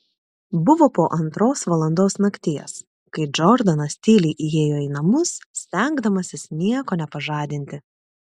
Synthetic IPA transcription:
bʊʋoːpoːʔɐnt̪ɾoːsʋɐlˠɐnd̪oːsnɐkt̪ʲiɛs | kɐɪd͡ʒɔɾd̪ɐnɐsʲt̪ʲiːlʲiʔɪjeːjoːiːnɐmʊsʲt̪ʲɛˑŋɡd̪ɐmɐsʲɪsnʲiɛkoːnʲɛpɐʒɑːd̪ʲɪnʲt̪ʲɪ

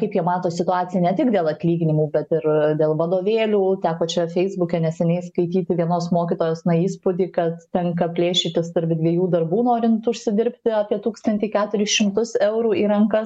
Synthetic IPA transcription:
kɐɪpjiɛmɑːt̪oːsʲɪt̪ʊɑːt͡sʲɪjɛnʲɛt̪ʲɪkd̪ʲeːlˠɐt̪ʲlʲiːɡʲɪnʲɪmuːbʲɛt̪ɪɾd̪ʲeːlˠʋɐd̪oːʋʲeːlʲuːt̪ʲæːkoːt͡ʃʲɛfʲɛɪzbʊkʲɛnʲɛsʲɛnʲɛɪskɐɪt̪ʲiːt̪ʲɪʋʲiɛnoːsmoːkʲɪt̪oːjɛːsnɐiːspoːd̪ʲiːkɐt̪tʲɛŋkɐpʲlʲeːʃʲɪt̪ʲɪst̪ɐɾʲpʲd̪ʲʋʲiɛjuːd̪ɐrbuːnoːɾʲɪnt̪ʊʃʲsʲɪd̪ʲɪɾʲpʲt̪ʲɪɑːpʲiɛt̪uːkst̪ɐnʲt̪ʲɪːkʲæːt̪ʊɾʲɪsʃʲɪmt̪ʊsɛʊɾuːiːɾɐŋkɐ

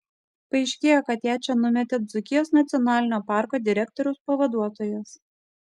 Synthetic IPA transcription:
pɐɛɪʃʲkʲeːjoːkɐt̪jæːt͡ʃʲɛnʊmʲɛt̪ʲɛd̪zʊkʲɪjoːsnɐt̪sʲɪɔnɑːlʲɪnʲoːpɑˑɾkoːd̪ʲɪɾʲɛk̚t̪ɔɾʲɛʊspɐʋɐd̪uɔt̪oːjɛs

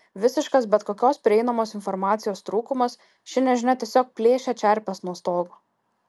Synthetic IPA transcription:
ʋʲɪsʲɪʃkɐsbʲɛt̪koːkʲoːspʲɾʲɪɛɪnɐmoːsɪnfɔɾmɑːt̪sʲɪjoːst̪ɾuːkʊmɐs | ʃʲɪnʲɛʒʲɪnɐt̪ʲiɛsʲoːk̚pʲlʲeːʃʲɛt͡ʃʲɛɾʲpʲɛsnuɔst̪oːɡo

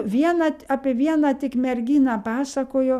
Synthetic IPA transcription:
ʋʲiɛnɐːɑːpʲiɛʋʲiɛnɑt̪ʲɪkmʲɛɾʲɡʲiːnɑːpɑːsɐkoːjoː

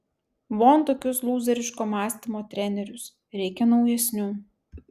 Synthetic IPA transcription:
ʋoːnˑt̪oːkʲʊslˠuːzʲɛɾʲɪʃkoːmɑːsʲt̪ʲɪmoːt̪ʲɾʲɛnʲɛɾʲʊs | ɾʲɛɪkʲɛnɒʊjɛsʲnʲuː

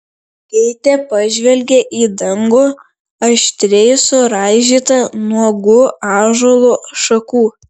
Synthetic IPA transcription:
kʲɛɪt̪ʲɛpɐʒʲʋʲɛlʲɡʲeʔiːd̪ɐŋɡoː | ɐʃʲt̪ʲɾʲɛɪsʊɾɑːɪʒʲiːt̪ɐnuɔɡʊɑːʒoːlˠoːʃɐkuː

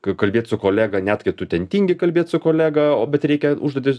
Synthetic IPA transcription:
kɐkɐlʲbʲeːt̪ʲsʊkoːlʲæːɡɐnʲæt̪kɐɪt̪ʊt̪ʲɛnʲt̪ʲiːŋʲɡʲɪkɐlʲbʲeɛt̪sʊkoːlʲæːɡɐoːbʲɛt̪ɾʲɛɪkʲɛʊʒd̪oːt̪ʲɪs

